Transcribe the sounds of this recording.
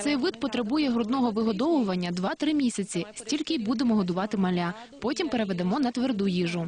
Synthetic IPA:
t̪sɛjʋɪd̪̚pɔt̪ɾɐbujɛɦɾɔd̪nɔɦɔʋɪɦɔd̪ɔʋʊʋɐnʲːɐd̪ʋɑt̪ɾɪmʲisʲɐt͡sʲisʲtʲilʲkɪbud̪emɔɦɔd̪ʊʋɑt̪ɪmɐlʲa | pɔtʲimpeɾeʋed̪emɔnɐt̪ʋerd̪ujiʒʊ

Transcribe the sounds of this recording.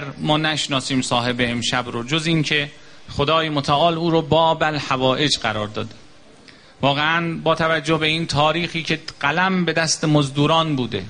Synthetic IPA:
ɾmɒːnæʃnɒːsiːmsɒːɦe̞beːmʃæbɾod͡ʒoziŋcʰe̞ | xod̪ɒːjemot̪ʰæʔɒːluːɾɔːbɒːbælhævɒːʔed͡ʒɢæɾɒːɾd̪ɒːd̪e̥ | vɒːɣeænbɒːt̪ʰævæd͡ʒːohbe̞iːnt̪ʰɒːɾiːxiːcʰe̞ɢ̥ælæmbe̞d̪æst̪emozd̪uːɾɒːnbuːd̪e

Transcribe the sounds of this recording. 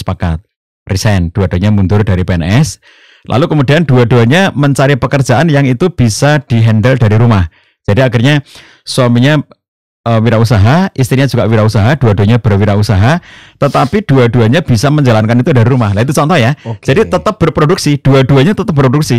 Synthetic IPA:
spaka̰t̪̚ | risɛnd̥uad̥uaɲamund̪ʊrdaɾipeɛnɛs | lʔa̰lukəmudiand̥uaduaɲaməɲt͡ʃaɾipəkərd͡ʒaʔanjaŋit̪ub̥isad̥iɦɛndəldaɾiɾumah | d͡ʒ̥adiakirɲa | swamiɲa | əwiɾausaɦaʔist̪ɾiɲad͡ʒuɡawiɾausaɦad̥uaduaɲabərwiɾausaɦat̪ət̪apid̥uaduaɲab̥isaməɲd͡ʒalankanit̪udaɾiɾumahlait̪ut͡ʃɔnt̪ɔjad͡ʒadit̪ət̪əp̚b̥ərpːɾoduksid̥uaduaɲat̪ət̪əp̚bɾoduksi

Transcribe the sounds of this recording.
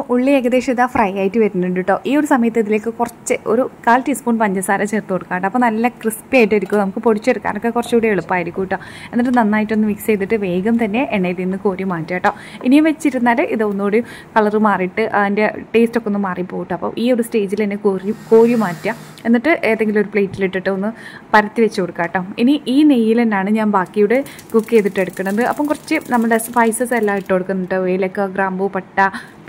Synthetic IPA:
poʔuɭːieːɡɐd̪e̞ːʂɐmiðaːfrɐjaːjitːɨʋɐɾunːuɳɖiʈːo̞ːʔiːo̞ɾusɐmɐjɐt̪ːɐiðile̞ːkːɨkurɐt͡ɕːɨo̞̰ɾukaːltispoːɳɖpɐɲd͡ʑɐsaːɾɐt͡ɕe̞ːrt̪ukoɽukːaːʈːɐpːoːnɐlːɐkrispiaːjiʈːeɾikʲːunɐmukːɨpo̞ɽit͡ɕːeɽukːa̰ːnokːe̞kurɐt͡ɕːuːɽeeɭupːaːjiɾikʲːujiʈːoː | e̞nːiʈ̬ːɨnɐnːaːjitːonːɨmikst͡ɕe̞jt̪ːiʈːɨʋe̞ːɡɐmt̪ɐnːe̞ʔeɳːejlinːɨko̞ːɾjumaːtːjaːjʈːo̞ː | inijumʋet͡ɕːiɾunːaːlʔiðɨonːoːɽejum | kɐɭɐrɨmaːrijʈːɨʔɐinde̞ʈe̞ːstokːeo̞nːɨmaːrijpːo̞ːiʈːɨɐpːo̰ːʔiːo̞ɾuste̞ːd͡ʑilenːekoːrijuko̞ːɾijumaːtːɐ | e̞nːiʈːɨʔeːðe̞ŋɡilo̞ɾupɭejtːiliʈːiʈːɨo̞nːɨpɐɾɐt̪ːiʋet͡ɕːɨkoɽukːaːjʈːoːminiʔiːnejːilenːaːɳɨɲaːnbaːkːijuɽe̞ | kukːe̞ːt̪ːiʈːe̞ɽukːɐɳnðɨʔɐ̰pːɐmkurɐt͡ɕːɨnɐmːɐɭɖesfɐjsɐselːaːiʈːɨkoɽukːunːuʈːɨʋeːlɐkːɐɡraːmbupɐʈːɐ

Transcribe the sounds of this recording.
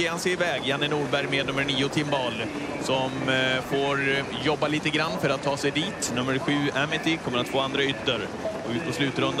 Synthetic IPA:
eːansɛɪvɛːɡjanːənuːɾbæɾjmeːd̪ɵmːəɳiːʊt̪ʰɪmbɑːl | sɔmfoːɾ | jɔbːaliːt̪əɡɾanːfœɾat̪ʰːɑːsɛjd̪iːt̪nɵmːəɾɧʉ̟ːɛmːɪt̪ɪkʰɔmːəɾat̪foːand̪ɾaʏt̪ːəɾ | ɔʉ̟ːt̪̚pʰɔslʉ̟ːt̪ɾɵnd̪

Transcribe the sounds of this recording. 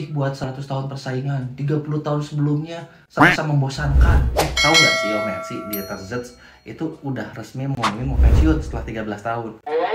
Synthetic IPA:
ɪhbuat̪̚səɾat̪ʊst̪aɦʊnpərsaiŋant̪iɡapulut̪aɦʊnsəbəlʊmɲa | samasaməmbosankanwɛht̪aujaʔsijamaja̰t̪sɪhdiɛt̪ərzət̪s | ʔḭt̪uːdahrəsmiməmimopasiʊt̪̚sə̥t̪əlaht̪iɡabəlast̪aɦʊn

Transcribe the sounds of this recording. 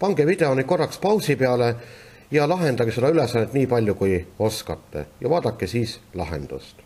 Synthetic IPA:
pɑŋɡ̥evid̪̥e̞onʲiko̞rːɑkspɑwsipeɑle̞ | jɑlɑɦe̞nd̪̥ɑɡised̪̥ɑylesːɑnːet̪niːpɑlʲjukujo̞skɑt̪ːe̞̰jɑvɑːd̪ɑkˑːesiːslɑɦe̞̰nd̪̥ṵst̪

